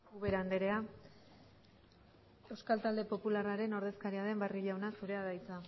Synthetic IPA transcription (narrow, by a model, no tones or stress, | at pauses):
uβeɾand̪eɾe̞a | e̞wskalt̪ald̪e̞po̞pularaɾe̞no̞ɾðe̞skaɾiaðe̞mbariʎawnasuɾe̞aðajt͡sa